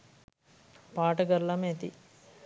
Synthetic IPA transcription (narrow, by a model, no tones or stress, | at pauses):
paːʈɐɡɐɾlːɐmet̪ḭ